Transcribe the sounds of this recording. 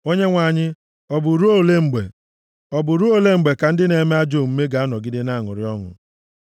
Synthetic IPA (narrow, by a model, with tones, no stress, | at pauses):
o˦ɲe˦ŋʷa˨ɲɪ˦ | ɔ˨bʊ˨ɾu˦o˦˨le˦ŋ͡m̩˨ɡ͡bḛ˨ | ɔ˨bʊ˨ɾu˦o˦le˦ŋ͡m̩˨ɡ͡be˨ka˨n̩˦dɪ˦ne˨˦me˦a˦d͡ʒo˦˨m̩˦me˦ɡa˨a˦nɔ˨ɡɪ˦dɪ˦na˦˨ŋʊ̰˨ɾɪ̰˦ɔ˦ŋʊ̰˨